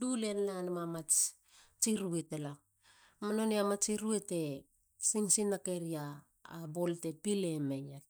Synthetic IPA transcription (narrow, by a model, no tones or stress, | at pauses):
dule̞nlanomamat͡ʃ | t͡ʃiɾuetela | manoneamat͡ʃiɾuete̞ | siŋsinake̞ɾiaː | bolte̞pile̞meja